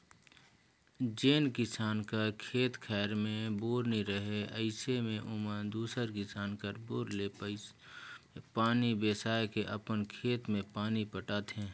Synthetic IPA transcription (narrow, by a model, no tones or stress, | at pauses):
d͡ʒeːnkɪsaːnkakʰeːt̪kʰɛːɾmẽboːɾniɾəɦeəɪsemẽʔʊməd̪uːsəɾkɪsaːnkəɾboːɾle | paːnibeːsaːekeʔəpənkʰeːt̪mẽpaːnipəʈaːt̪ɦɛ̃ː